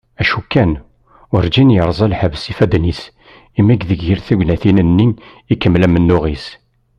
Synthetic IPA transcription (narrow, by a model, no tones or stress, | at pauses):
æʃukːæn | ʊɾd͡ʒinjəɾˤzˤælħəvəsifæd̪nis | imːæɡðəɡjəɾθuɡʷnæθinənːin | ikːəmːlæmənːuʁis